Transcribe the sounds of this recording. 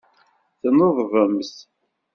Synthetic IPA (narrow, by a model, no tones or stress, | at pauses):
θənoðˤvəms